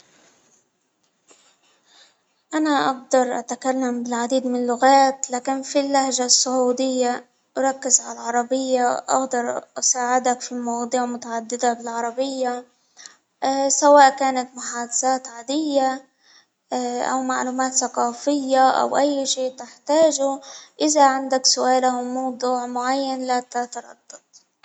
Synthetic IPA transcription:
ʔanaʔɑɡd̪ɑɾˤʔa̰t̪akalːambɪlʕad̪iːd̪mɪnɪlːʊɣaːt̪laːkɪnfilːahʒasːʊʕuːd̪ɪjːa | ʔɾˤɑkːɪzʕalalʕɑɾˤɑbɪjːaʔa̰ɣd̪ɑɾˤʔasaːʕɪd̪akfilmɑwɑd̪ˤuːʕmʊt̪aʕad̪ːɪd̪abɪlʕɑɾˤɑbɪjːa | sawaːʔkaːnat̪mʊħaːd̪asaːt̪ʕaːd̪ɪjːa | ʔa̰wmaʕluːmaːt̪saqɑːfɪjːaʔa̰wʔajːʃiːt̪ɪħt̪aːʒuʔɪzaʕand̪aksʊʔaːlamɑwd̪ˤuːʕmʊʕajːanlat̪at̪ɑɾˤɑ̰d̪ːɑt̪ˤ

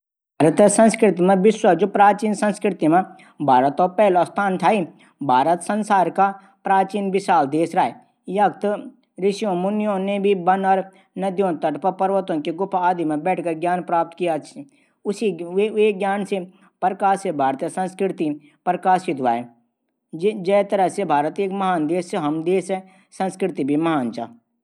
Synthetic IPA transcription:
bʱaɾət̪sə̃nskɾɪt̪imẽʋɪswɐd͡ʒoːpɾaːt͡ʃiːnsə̃nskɾɪt̪imẽ | bʱaːɾət̪ɔːpɛːlost̪ʰaːnt̪ʰaːi | bʱaːɾət̪sə̃nsaːɾka | pɾaːt͡ʃiːnbɪʃaːld̪eːsɾaːe | jɐk̚t̪ | ɾɪʃijõmʊnjõːnebʱibɐnɔːɾ | nɐd̪jõːnt̪əʈpəpɐɾʋət̪õkeɡʊpʰaːd̪imẽbɛːʈʰkəɾɡjaːnpɾaːp̚t̪kija | ʊsieɡjaːnse | pɾəkaːsebʱaːɾt̪esə̃nskɾɪt̪i | pɾəkaːʃɪt̪ʋaːe | d͡ʒɛt̪əɾəɦsebʱaːɾət̪eːkmɐɦaːnd̪eːseɦɐmd̪eːsɛ | sə̃nskɾɪt̪ibʱimɐɦaːnt͡ʃa̰

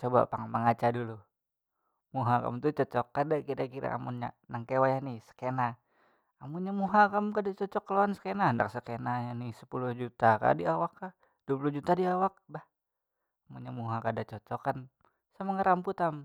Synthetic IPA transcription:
t͡ʃoba̰paŋaməŋat͡ʃadulu | muɦaka̰mt̪ut͡ʃɔt͡ʃɔkːadakiɾakiɾa̰a̰mṵnɲa̰naŋkewajahnisə̥kena | amuɲamuɦakamkadat͡ʃɔt͡ʃɔkːəlowansə̥kenahənda̰k̚səkenajanisə̥puluhd͡ʒut̪aka̰diawakːa | d̥uap̬uluhd͡ʒut̪adiawak̚bah | amuɲamuɦakadat͡ʃɔt͡ʃɔkan | samaŋaɾamput̪am

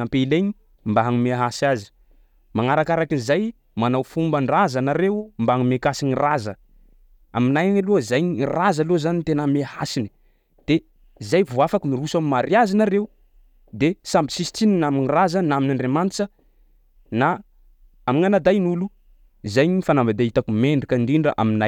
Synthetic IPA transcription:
ampeileɲi | mbaɦaŋumeaɦasazi̥ | maŋaɾakaɾakinizaj | manawfumbəɳɖ͡ʐazanaɾeumbaaŋimekasiɲirazə | aminajalozajɲirazalozanint̪enəmehasini̥ | d̪̥e | zajvuafakimiɾusamimaɾjazinaɾeu | d̪esambisist̪ininaminirazənaminaɳɖ͡ʐemant͡ʃə | na | amiŋanad̪ajnulu | zajɲifanambad̪ait̪akumeɳɖ͡ʐikaɳɖ͡ʐiɳɖ͡ʐəʔa̰minaj

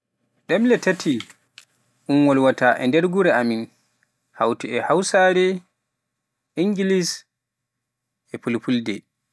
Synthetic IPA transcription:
ɗɛmlɛtatʰːi | ʔunwɔlwataʔɛ̰ndɛɾɡuɾɛamin | ha̰wtɛɛhawsaːɾɛ | iŋɡilis | ɛpulpuldɛ

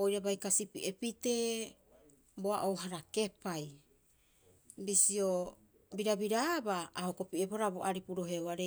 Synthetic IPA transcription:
ojɾabajkasipḭʔepite̞ | boaʔowɦaɾake̞paj | bisio | biɾabiɾabaːhokopieboɾaboʔaɾipuɾo̞ɦeoaɾe

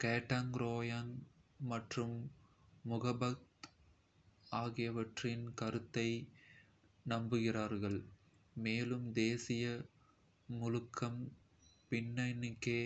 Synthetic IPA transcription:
keːʈːaŋɾoːjanmɐʈrɯmː | ʊɣɐbɐt̪ | aːɣɪjɐʋɐʈrɪnkɐɾɯt̪ːɐɪ | nɐmbɯɣɪraːɾɣɐɭ | meːlɯmd̪eːsɪjɐ | mʊlɯkʰːɐm | pɪnːɐɪnɪkːeː

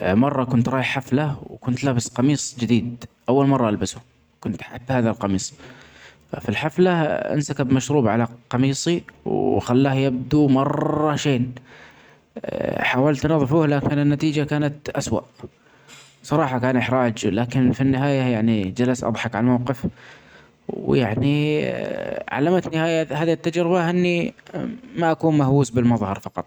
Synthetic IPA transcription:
mɑrˤːɑkʊnt̪ɾˤɑːjɪħħaflawkʊnt̪laːbɪsqɑmiːsˤd͡ʒɪd̪iːd̪ʔawːalmɑrˤːɑʔalbasʊ | kʊnt̪ħabːhaːðalqɑmiːsˤ | fa̰filħaflaʔa̰nsakabmaʃɾuːbʕalaqɑmiːsˤiwxalːaːhjab̚d̪umɑrˤːɑʃeːn | ħaːwalt̪nɑðˤfuːhlaːkɪnɪnːat̪iːd͡ʒakaːnat̪ʔaswa̰ʔ | sˤɑɾˤɑːħɑkaːnʔɪħɾˤaːd͡ʒlaːkɪnfinːɪɦaːjajaʕnid͡ʒalasʔɑ̰ðˤħɑkʕalamawqɪf | ja̰ʕni | ʕa̰lːamt̪nɪhaːjahaːðit̪ːad͡ʒɾɪbaʔɪnːi | maʔakuːnmahwuːsbɪlmɑðˤhɑɾˤfɑqɑ̰t̪ˤ

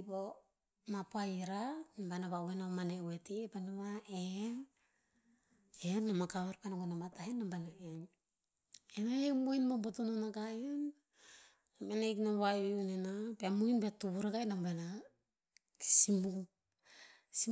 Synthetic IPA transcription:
po | mapoaiɾanambanaβawenamanewetipanamae | enamakaβeɾpanaɡonamatahenːambanaeɲ | enajekmojnmobotunonaɡaenː | amanejknaβajβiunenapeamujnbetuβuɾaɡajnambana | ki̥simu | si

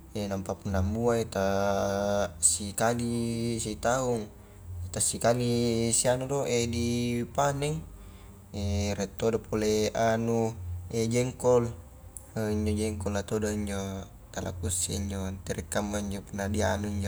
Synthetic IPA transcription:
enampapunːambuaet̪a | sikaliseit̪auŋ | et̪asikalisianud̪oʔedipanɛŋ | eɾɛt̪ːodapoleanued͡ʒɛŋkɔl | əiɲd͡ʒod͡ʒɛŋkɔlːat̪odaiɲd͡ʒo | t̪ala̰kusḛiɲd͡ʒont̪ɛɾɛkːamːaiɲd͡ʒopunadia̰nuiɲd͡ʒo

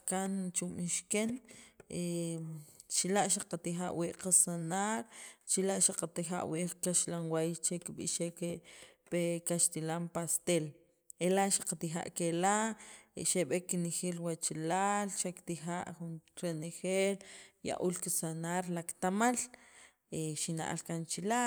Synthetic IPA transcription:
kant͡ʃuɓiʃkene | t͡ʃilaʔʃaqat̪ixa̰ʔwiʔqasanaɾt͡ʃilaʔʃaqat̪ixa̰ʔwiʔkaʃlanwajt͡ʃekːiɓḭʃekepekaʃt̪ilampast̪el | elaʔʃḁqat̪ixa̰ʔkela | ʃeɓekːinexelwat͡ʃalalʃakt̪ixaʔxunɾenexelja̰ʔulkisanaɾlakt̪amal | eʃina̰ʔa̰lkant͡ʃila

